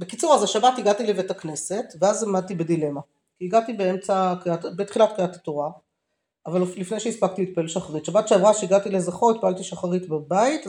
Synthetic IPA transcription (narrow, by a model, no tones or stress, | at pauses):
bekit͡suʁazaʃabatiɡatilevetakne̞se̞tveazamad̪̚t̪ibe̞dile̞ma | kiːɡatibeemt͡sakiatbet̪χilatkiatatoʁaː | vallifne̞jʃeispak̚t̪iit̪̚paelʃaχaʁitʃabatʃeavʁaʃeiɡat̪ile̞zaχoit̪̚paalt̪iʃaχaʁitbabait